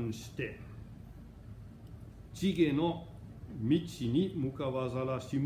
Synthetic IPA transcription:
nst̪e | t͡siɡeno | mit̪sinimukaʋazalasim

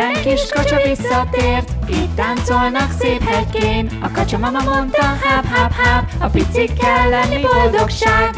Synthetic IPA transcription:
ɛŋkiʃkɒt͡ʃovisːɒt̪eːrt̪iːt̪ːaːnt̪solnɒkseːphɛjkeːnɒ̰kɒt͡ʃomɒmɒmont̪ɒɦaːphaːphaːbɒpit̪sikːɛlːɛnːibo̞ld̪o̞kʃaːɡ

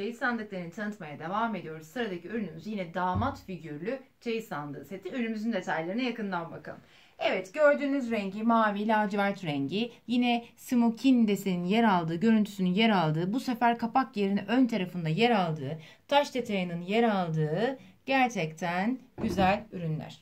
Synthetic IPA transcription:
t͡ʃʰejɯsˠand̪ɯk̚lˠaɾɯnt̪ʰanɯt̪majad̪e̞vaːme̞d̪ijo̞ɾuz̥sɯɾad̪acʰiøɾynymyzjinɛd̪aːmat̪fiɟyɾlʲyt͡ʃʰejɯslˠand̪ɯːset̪ʰiøɾnymyzynd̪e̞t̪ʰajlʲeɾinɛjakɯnd̪anbakʰa̰m | ɛvɛt̪ɟ̥ø̞ɾd̪yːnyzɾɛɲɟimaːviːlʲaːd͡ʒivæɾt̪ɾɛɲɟijinɛsimocʰind̪e̞sininjeɾalˠd̪ɯːɟø̞ɾynt̪ʰy̥synynjeɾalˠd̪ɯːbuse̞fæɾkʰapakjeɾinɛʔønt̪ʰaɾafɯnd̪ajeɾalˠd̪ɯː | t̪ʰaʃd̪e̞t̪ʰajɯnɯnjeɾalˠd̪ɯːɟ̥æɾt͡ʃʰɛc̚t̪ʰænɟyzælʲyɾynlʲæ̰ɾ̝̥

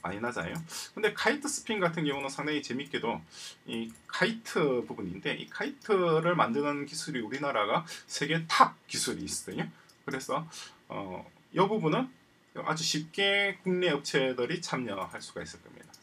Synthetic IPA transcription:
ma̰ɲinad͡ʑa̰jokɯnde̞kʰaitʰɯsʰɯ̥pʰiŋɡatʰɯnɡjʌŋunɯnsʰaŋdaŋit͡ɕe̞mik͈e̞doikʰaitʰɯbubuɲinde̞ʔḭkʰaitʰɯɾɯɭmandɯnɯnkisʰuɾiuɾinaɾaɡasʰe̞ɡe̞takisʰuɾḭːs͈ɯ̥dɯɲo | kɯɾe̞sʰʌʌ̰ | jʌbubunɯn | ʌʔa̰d͡ʑuɕʰip̚k͈e̞kuŋne̞ʌp̚t͡ɕʰe̞dɯɾit͡ɕʰamɲʌhaɭs͈uɡais͈ʌɭk͈ʌ̰mɲḭd̥a

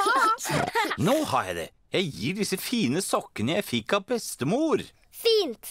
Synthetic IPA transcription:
noːhɑɾjæ̰ɪd̪ɛ̰ | jæɪjiːɖɪsəfiːnəsɔkːənəjæɪfɪkːɑʋbɛst̪əmuːɾ | fiːnt̪

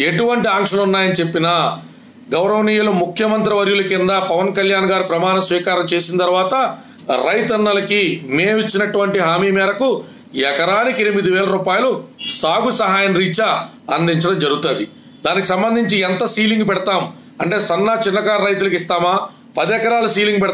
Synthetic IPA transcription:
e̞ʈuʋɐɳʈiaːŋkʂɐlunːaːjɐnit͡ʃe̞pːina | ɡɐwɾɐʋɐniːjɐlumukʰjɐmɐnt̪ɾɐʋɐɾjulɐkind̪apɐʋɐnkɐljaːnɡaːɾupɾɐmaːnɐsʋiːkaːɾɐmt͡ʃe̞ːsint̪ɐɾʋaːt̪ɐ | ɾɐjt̪ɐnːɐlɐkimeːʋit͡ʃːinɐʈuʋɐɳʈiɦaːmiːmɛːɾɐku | jɛkɐɾaːnikenimid̪iʋɛːlɐɾuːpaːjulusaːɡusɐɦaːjɐnɾiːt͡ʃa | ɐnd̪iɲt͡ʃɐɽɐmd͡ʒɐɾuɡut̪aːd̪i | d̪aːnikisɐmbɐnd̪ʱiɲt͡ʃiɛnt̪ɐsiːliŋɡupɛɽɐt̪aːm | ɐɳʈe̞ːsɐnːat͡ʃinːɐkaːɾɐjt̪̬ulɐkist̪aːmaː | pɐd̪ɛkɐɾaːlusiːliŋɡup̬ɛɽt

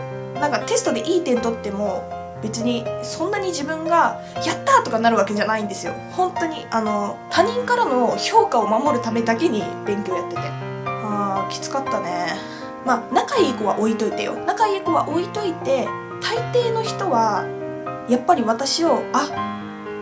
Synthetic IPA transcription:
nãŋkat̪e̞sɨ̥t̪od̪e̞ʔiːt̪ẽ̞nt̪o̞t̪ːe̞mo̞ | be̞t͡sɨɲ̟isõ̞nːaɲ̟id͡ʑibɯ̟̃ŋɡa | jat̪ːat̪o̞kanaɾɯ̟βake̞ʑanaĩnd̪e̞sɨjo̞̰hõ̞nt̪o̞ɲ̟iʔano̞t̪ʰaɲ̟ĩŋkaɾano̞ço̞ːkao̞mamo̞ɾɯ̟t̪ame̞d̪ake̞ɲ̟ibẽ̞ŋkʲo̞ːjat̪ːe̞t̪e̞̰ | aːkʲi̥t͡sɨ̥kat̪ːane̞ | maːnakaiko̞βa̰ʔo̞it̪o̞it̪ḛjo̞̰nakaiko̞βa̰ʔo̞it̪o̞it̪e̞ | t̪ʰait̪e̞ːno̞çi̥t̪o̞βa | japːaɾʲiβ̞at̪aɕio̞a

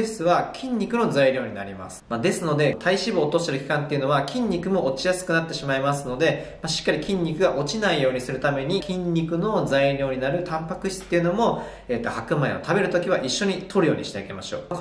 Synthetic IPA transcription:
ɕt͡sɨβakʲʰĩɲ̟ːikɯ̟no̞zaiɾʲo̞ːɲ̟ina̰ɾʲima̰sɨ̥mad̪e̞sɨno̞d̪e̞t̪ʰaiɕibɯoːt̪o̞st̪eɾɯ̟kʲi̥kãnt̪e̞iɯ̟no̞β̞akʲʰĩɲ̟ːikɯ̟mo̞ʔot͡ɕijasɨ̥kɯnat̪ːe̞ɕimaimasɨno̞d̪e̞maɕi̥kːaɾʲikʲĩɲ̟ʲːikɯ̟ɡaʔo̞t͡ɕinaijo̞ːɲ̟isɨɾɯ̟t̪ame̞ɲ̟ikʲĩɲʲːikɯ̟no̞zaiɾʲo̞ːɲ̟inaɾɯ̟t̪ʰãmpakɯ̟çʲi̥t͡sɨ̥t̪ːe̞jɯ̟no̞mo̞ | eːt̪ːo̞hakɯ̟maḛo̞̰t̪ʰabe̞ɾɯ̟t̪o̞kʲiβ̞aʔiɕːo̞ɲ̟it̪ʰo̞ɾɯ̟jo̞̰ːɲ̟ḭɕi̥t̪eike̞maɕo̰ː

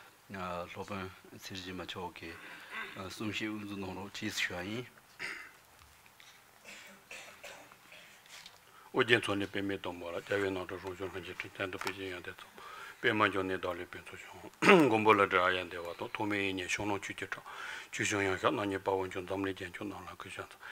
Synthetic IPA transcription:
ɬoʔpant͡sʰeʑimat͡ɕʰɔʔki | sumɕeʔund͡zunɑŋroʔt͡ɕʰiːsɕuːajin | ʔod͡ʑent͡sʰolepemeːt̪ɑŋmolacaweːnɑŋʈ͡ʂɑrɑŋɕoŋlad͡ʑiʈ͡ʂʰi̥t̪ʰɛnd̪opeʔɕejɑt̪et͡sɑpemaɲd͡ʑʰoŋneːd̪ɑlepent͡sʰoɕoŋɡombolaɖ͡ʐawajand̪ewat̪ɑt̪ʰoʔmeːjiɲeːɕʰoŋrɑŋt͡ɕʰyːcəʈ͡ʂʰɑʔt͡ɕʰyːɕɑŋjɑŋɕɑʔnɑɲipawot͡ɕond͡zamlid͡ʑḁt͡ɕʰonɑŋlakiɕɑt͡s

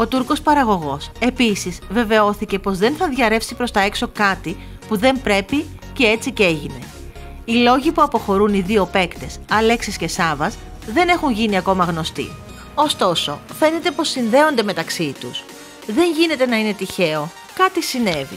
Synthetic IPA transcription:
o̞t̪uɾko̞spɐɾɐɣo̞ɣo̞se̞pisizve̞ve̞o̞θice̞po̞zðe̞nθɐðʝɐɾe̞fsipɾo̞st̪ɐe̞kso̞kɐt̪i | puðe̞mpɾe̞pi | ce̞e̞t͡sice̞ʝine̞ | ilo̞ʝipuɐpo̞xo̞ɾuniðio̞pe̞kt̪e̞sɐle̞ksisce̞sɐvɐs | ðe̞ne̞xunʝiniɐko̞mɐɣno̞st̪ḭ | o̞st̪o̞so̞̰fe̞ne̞t̪e̞po̞sːinðe̞o̞nd̪e̞me̞t̪ɐksit̪us | ðe̞ɲʝine̞t̪e̞nɐine̞t̪içe̞o̞ | kɐt̪isine̞vḭ

